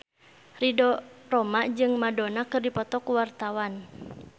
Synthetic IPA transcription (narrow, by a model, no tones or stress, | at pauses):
ridɔrɔmaʔd͡ʒɨŋmadɔnakɨrdipɔt̪ɔkuwart̪awan